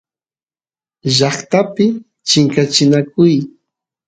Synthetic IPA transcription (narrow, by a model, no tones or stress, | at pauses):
ʒɑχt̪apɪ | t͡ʃɪŋkat͡ʃɪnakʊj